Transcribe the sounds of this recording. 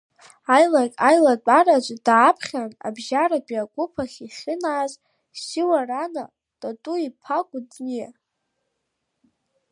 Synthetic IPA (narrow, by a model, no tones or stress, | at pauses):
ajlakʲʼajlat͡pʷʼarat͡ʃʷʼdaːpʰχʲana̰bʒaɾabiaɡʷʼʊpʰaχʲiχʲɪnaːz | siwarana | tʼatʼuipʰaɡʷʼʊdʼnia